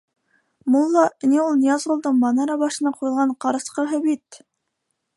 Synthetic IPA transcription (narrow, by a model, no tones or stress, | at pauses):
mulˠːɑniulˠnijɑzʁolˠd̪ɤɴmɑnɑɾɑbɑʃɤ̆nɑqʰujɤ̆lˠʁɑɴqɑɾɑ̆sqɤɦɤbit̪